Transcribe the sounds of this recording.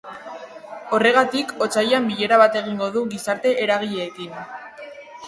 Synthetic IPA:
o̞re̞ɣ̞at̪iko̞t͡sajambiʎe̞ɾaβ̞at̪e̞ɣ̞iŋɡo̞ðuɣisaɾt̪e̞ʔeɾaɣ̞iʎe̞ːkin

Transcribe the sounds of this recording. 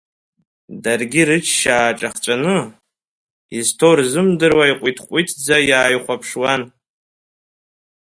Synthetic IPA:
darɡʲirɨt͡ʃʰʃaːʈ͡ʂʼaχt͡ʃʷʼanɨ | iztʰorzɨmdɨrwaiqʷʼitʰqʷʼitʰd͡zajaːjχʷapʰʂwan

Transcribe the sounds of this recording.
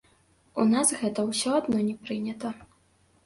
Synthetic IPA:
unasɣɛt̪ɐwsʲɔad̪nɔnʲɛpɾɨnʲɐt̪ɐ

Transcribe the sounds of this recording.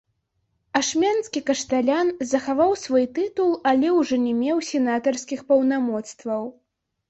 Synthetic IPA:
aʂmʲanskʲikɐʂt̪alʲanzɐxavawsvɔjt̪ɨt̪ulˠalʲɛwʐɔnʲɛmʲɛwsʲɛnat̪ɐrskʲixpɐwnamɔt̪st̪vɐw

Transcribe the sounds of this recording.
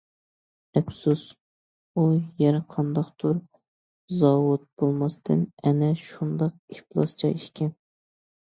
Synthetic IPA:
ɛpsus | ujɛɾɨqʰɑnd̪ɑqt̪ʰuɾ | zɑwʊt̪̚b̥olˠmɑst̪ʰɨnɛnɛʃund̪ɑqeplˠɑst͡ʃʰɑ̰iʃkʲɛn

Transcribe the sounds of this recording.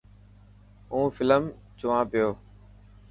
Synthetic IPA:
ũːfɪləm | t͡ʃʊʋãːpɪjoː

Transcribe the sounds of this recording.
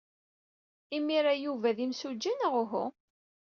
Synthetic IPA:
imiɾajuvæðimsud͡ʒːinəʁʊɦʊ̰

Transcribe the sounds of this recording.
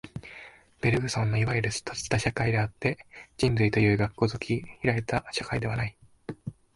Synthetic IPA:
b̥e̞ɾɯ̟ɡɯ̟sõnːo̞iβajiɯɾɯ̟st̪ʰot͡sɨ̥t̪aɕakaid̪e̞at̪ːe̞d͡ʑĩnzɨit̪o̞jɯ̟ːɡakːo̞ːzokʲʰiçiɾaet̪aɕakaid̪e̞β̞anai

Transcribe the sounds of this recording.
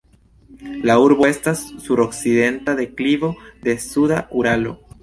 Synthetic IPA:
lauɾbo̞e̞stasːuɾo̞kside̞ntade̞klivo̞de̞sudaʔuɾalo̞̰

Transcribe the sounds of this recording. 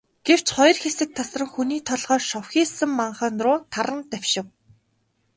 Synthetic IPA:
ɡ̥ew̥t͡ɕχɔj̆rxesɘ̆k̚t̪ʰasrə̆ŋxuniːt̪ʰɔɮʁœːʃɔwxiːsɘ̆mːaɴχə̆ːnt̪rʊːt̪ʰaɾə̆nt̪æwʲʃɪ̆w

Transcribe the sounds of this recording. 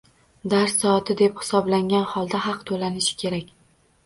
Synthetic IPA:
d̪aɾsːɒːt̪ʰɪd̪e̞phɪ̥sɒblaŋʲanhɒlˠd̪aɦɑqt̪ʰolanɪʃɪ̥kʲʰe̞ɾakʲ

